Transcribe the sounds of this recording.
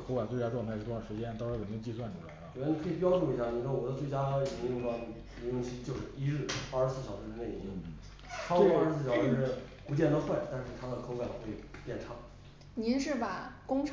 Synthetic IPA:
kʰo˧˥ʊka˨˩nt͡swe˥˩ɪt͡ɕja˥ʈ͡ʂwŋt̪ʰʂɻt̪ʰwʂɻ̩˧˥t͡ɕjɛ˥nt̪ʂɻ̩˥jmi˥˧t͡ɕi˥˧swa˥˩nʈ͡ʂu˧˩a̰˧˥ɪ̰˧˩˨ni˧˩kʰɤ˥˨˩p̬jɑ˥ʊʈ͡ʂu˥˩i˧˥ɕja˥˩ni˨˩ʂɔ˥˧wɔ˨˩d̪ə˦t͡swe˥˩ɪt͡ɕja˥˧˥i˨˩i˧˥u˥˩ma˧˩˨ | i˧˥ʊ˥ŋɕʰi˧˥t͡ɕjo˥˧ʊʂɻ̩˥˩i˥ɻɻ̩˥˩˥ʂɻ̩˧˥sɹ̩˥˩ɕjɑ˨˩ʊʂɻ̩˥˧˥ne˥˩i˧˥i˧˥n | ʈ͡ʂʰɑ˥ʊu˞˧˥˧ɻ̩˧˥sɹ̩˥˩jʊʂɻ̩˥˧˥ | pu˧˥t͡ɕjɛ˥˧nt̪ə˥xwa˥˩ɪt̪a˥˧nʂɻ̩˥˩t̪ʰa˥d̪ə˨kʰo˧˥ʊka˨˩nxwe˥˩ɪpjɛ˥˩nʈ͡ʂʰɑ˧˥ŋ | ni˧˥nʂɻ̩˥˩pa˨˩kʊ˥ŋʈ͡ʂʰ

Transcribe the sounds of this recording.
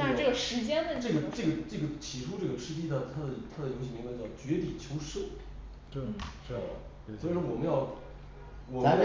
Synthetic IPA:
na˥˧ʈ͡ʂɤ˥˩ɡə˩ʂɻ̩˧˥t͡ɕjɛ˥nd̪ə˧ʈ͡ʂɤ˥˩ɡə˩ʈ͡ʂɤ˥˩ɡə˩ʈ͡ʂɤ˥˩ɡə˩t͡ɕʰi˨˩ʈ͡ʂʰu˥ʈ͡ʂɤ˥˩ɡə˩ʂɻ̩˥t̪̬i˥˩nə˥˩t̪ʰa˥d̪ə˨t̪ʰa˥d̪ə˨jo˧˥ɕi˥˩mi˧˥ŋbt͡ɕjɑ˥˩ʊt͡ɕɥɛ˧˥t̪i˨˩t͡ɕʰjo˧˥ʊʂɤ˥˩ʊ˥˧˩ | ɐ̰˨˩ | swɔ˧˥i˨˩ʂwɔ˥wɔ˨˩mə˦jɑ˥˩ʊ | wɔ˨˩m˧˥˦j

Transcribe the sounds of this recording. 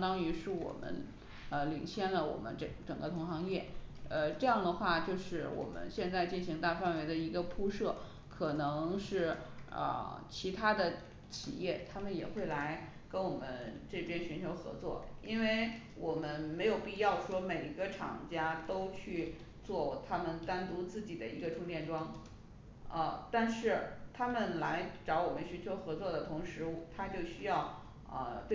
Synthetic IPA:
t̪ɑ˥ŋy˧˥ʂɻ̩˥˩wɔ̰˨˩mə̰˦˥n | ə˧lḭ˨˩ŋɕjɛ˥˩nlə˩wɔ̰˨˩mə̰˦nʈ͡ʂə˨˩ʈ͡ʂɤ˨˩ŋɡə˦t̪ʰʊ˧˥ŋxɑ˧˥ŋjɛ˥˩ə˧ʈ͡ʂɤ˥˧jɑ˥˩ŋd̪ə˩xwa˥˧t͡ɕjo˥˧ʊʂɻ̩˥˩wɔ̰˨˩mə̰˦nɕjɛ˥˧nt͡sa˥˧ɪt͡ɕi˥˩nɕi˧˥ŋt̪a˥˧fa˥˩nwe˧˥ɪd̪ə˧i˧˥ɡə˧pʰu˥ʂɤ˥˩ | kʰɤ˨˩nɤ˧˥ŋʂɻ̩˥˩ə̰˧t͡ɕʰi˧˥t̪ʰa˥d̪ə˨ | t͡ɕʰḭ˨˩jɛ˥˩t̪ʰa˥mə˨njɛ̰˨˩xwe˥˩ɪla˧˥ɪ | kə˥nwɔ˨˩mə˦nʈ͡ʂɤ˥˩pʰjɛ˥nɕy˧˥nt͡ɕʰjo˧˥ʊxɤ̰˧˥t͡swɔ̰˥˩i˥nwe˥˩ɪ | wʔɔ˨˩mə˦nme˧˥ɪjo˨˩ʊpi˥˧jɑ˥˩ʊʂwɔ˥me˨˩ɪi˧˥ɡə˧ʈ͡ʂʰɑ̰˨˩ŋt͡ɕja˥t̪o˥ʊt͡ɕʰy˥˧ | t͡swɔ˥˩t̪ʰa˥mə˨nt̪a˥nt̪u˧˥t͡sɹ̩˥˩t͡ɕi˨˩d̪ə˦i˧˥ɡə˧ʈ͡ʂʰʊ˥ŋt̪jɛ˥˩nʈ͡ʂwɑ˥ŋ | ə˧t̪a˥˧nʂɻ̩˥˩t̪ʰa˥mə˨nla˧˥ɪʈ͡ʂɑ˧˥ʊwɔ˨˩mə˦nɕy˧˥nt͡ɕʰjo˧˥ʊxɤ˧˥t͡swɔ˥˩d̪ə˩t̪ʰʊ˧˥ŋʂɻ̩˧˥t̪ʰa˥t͡ɕjo˥˩ʊɕy˥jɑ˥˩ʊ | ə̰˧t̪we˥˩

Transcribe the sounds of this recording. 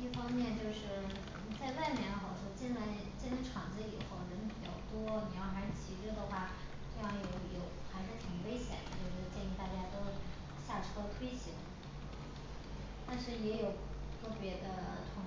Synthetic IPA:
i˥˩fɑ˥ŋmjɛ˥˧nt͡ɕjo˥˧ʊʂɻ̩˥˩˥ | t͡sa˥˧ɪwa˥˩ɪmjɛ˥˩nlxɑ˨˩˥ʂwɔ˥t͡ɕɛ˥nla˧˥ɪ | t͡ɕjɛ˥˧na˧˥ʈ͡ʂʰɑ˨˩ŋd͡zɹ̩˧i˨˩xo˥˩ʊɻə˧˥npi˨˩jɑ̰˨˩ʊt̪wɔ˥ni˨˩jɑ˥˩ʊma˧˥˩t͡ɕʰi˧˥ʈ͡ʂ̩˥˩d̪ə˨xwa˥˩ | ʈ͡ʂɤ˥˧jɑ˥˩ŋjo˨˧˩ʊjo˨˩ʊxa˧˥ɪʂɻ̩˥˧˩t̪ʰi˨˩ŋwe˥ɪɕjɛ̰˨˩nd̪ə˦t͡ɕjo˥˧ʊʂɻ̩˥˧t͡ɕjɛ˥˧ni˥˧t̪a˥˩t͡ɕja˥t̪o˥ʊ | ɕja˥˩ʈ͡ʂʰɤ˥t̪ʰwe˥ɪɕʰi˧˥n | t̪a˥˧nʂɻ̩˥˩jɛ˧˥jo˨˩ʊ | k̪ʰɤ˥˩pjɛ˧˥d̪ə˧t̪ʰʊ˧˥ŋ

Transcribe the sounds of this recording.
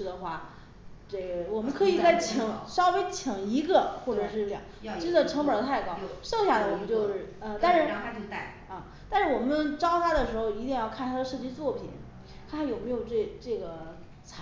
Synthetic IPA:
y˧˥d̪ə˧xwa˥˩ | ʈ͡ʂe˥˩ɡwɔ˨˩mə˦nkʰɤ˧˥i˨˩t͡sa˥˩ɪt͡ɕʰŋʂɑ˥ʊwe˧˥ɪt͡ɕʰi˨˩ŋi˧˥ɡə˧xwɔ˥˩ʈ͡ʂɤ˨˩ʂɻ̩˥˩ʈ͡ʂjɑ̰˨˩˦t͡ɕə˥˧˩ʈ͡ʂʰɤ˧˥ŋpə˨˩d̪ə˧t̪ʰa˥˩ɪkɑ˥ʊʂɤ˥˧ŋɕja˥˩la˩wɔ˨˩mə˦nt͡ɕjo˥˧ʊʂɻ̩˥˩ə˥˧t̪a˥˧nʂɻ̩˥˩˧ | ə˥˩ | t̪a˥˧nʂɻ̩˥˩wɔ˨˩mə˦nʈ͡ʂɑ˥ʊt̪ʰa˥d̪ə˨ʂɻ̩˧˥xo˧ʊi˧˥t̪i˥˧ŋjɑ˥˧ʊkʰa˥˩nt̪ʰa˥d̪ə˧ʂɤ˥˧t͡ɕi˥t͡swɔ˥˩pʰḭ˨˩˦n | kʰa˥˩nt̪ʰa˥jo˨˩ʊme˧˥ɪjo˨˩ʊʈ͡ʂe˥˩ʈ͡ʂɤ˥˩ɡə˩ | t͡sʰ

